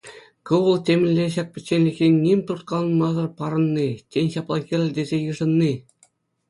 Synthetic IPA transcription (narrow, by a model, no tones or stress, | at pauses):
kɤʋɤ̆lˠtʲemʲɘ̆lʲːeɕɑk̚ʲpʲɘ̆t͡ɕːenʲlʲikʲenʲnʲimʲt̪urt̪̚kɑlˠɤ̆nmɑzɤ̆rpɑɾɤ̆nːitʲenʲɕɑplˠɑɡʲirʲɘd̪ʲezʲejɯ̆ʐɤ̆nːi